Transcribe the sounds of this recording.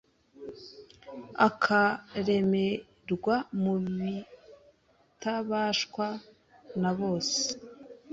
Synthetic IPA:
akʰaɾe̞me̞ | ɾɡwamuβi | taβaʃkwa | naβo̞ːse̥

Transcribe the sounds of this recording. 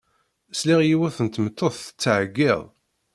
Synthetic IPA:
sliʁjiwæθənt̪mət̪ʰːoθθə̥t͡sːʕəɡːɪðˤ

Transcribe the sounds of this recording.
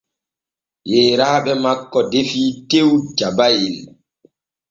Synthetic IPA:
jɛːɾaːɓɛmakːɔdefiːtewd͡ʒabajil

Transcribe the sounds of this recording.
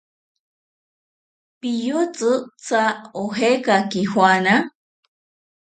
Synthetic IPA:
pijot͡sɨt͡saoɦekakihwana

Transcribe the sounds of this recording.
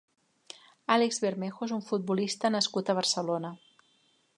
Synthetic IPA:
aleɡzβeɾmexoezuɱfut̪̚bulist̪ənəskut̪əβ̞ərsəlonə

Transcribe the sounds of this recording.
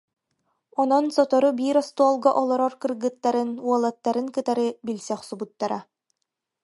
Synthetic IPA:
ɔnɔnsɔt̪ɔɾubiːɾɔst̪uɔlˠɡɔʔɔlˠɔɾɔɾkɯɾɡɯt̪ːaɾɯnuɔlˠat̪ːaɾɯŋkɯt̪aɾɯbilʲsɛχsubut̪ːaɾa

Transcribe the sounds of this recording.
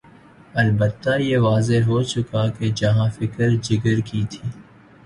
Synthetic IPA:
ɐlbət̪ːajeʋaːzeɦot͡ʃʊkaked͡ʒɐɦãfɪkəɾd͡ʒɪɡəɾkit̪ʰiː

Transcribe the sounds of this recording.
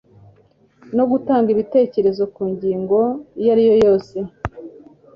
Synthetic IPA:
no̞ɡutaːŋɡiβite̞ːce̞ɾe̞zo̞kuːɲɟiːŋɡo̞ijaɾijo̞jo̞ːse̞

